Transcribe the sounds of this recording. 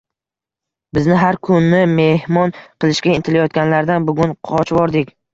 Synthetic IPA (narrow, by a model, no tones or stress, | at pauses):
bɪznɪɦaɾkʰʊnːɪme̞hmɒnqɨlˠɪʃkʲaɪnt̪ʰɪlajɒt̪ɡʲanlaɾd̪anbʊɡʲʊnqʰɒt͡ʃbɒɾd̪ɪkʲ